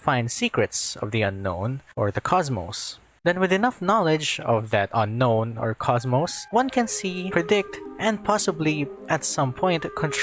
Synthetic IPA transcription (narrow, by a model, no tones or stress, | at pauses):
fãɪ̃nd̪sikɹɨtsʌ̰vðiʌ̃nːõ̰ʊ̃nʔɔɹðəkʰɑzmo̰ʊs | d̪ɛ̃nwɪðɨnʌfnɑlɪd͡ʒɔvðɨt̪ʌ̃nːõʊ̃nɔ̰ɹkʰɑzmoswʌ̃nkɛ̃nsipɹɛdɪk̚t̪ʔɛ̃npʰɑsɪbliʔæt̪sʌ̃mpʰɔ̃ɪnt̪kʰɔ̃nt